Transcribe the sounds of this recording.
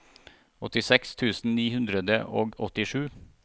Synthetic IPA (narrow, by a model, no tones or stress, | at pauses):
ɔt̪ɪsɛkst̪ʰʉːsn̩niːhʉnd̪ɾəd̪əʔoːɡɔt̪ɪʂʉː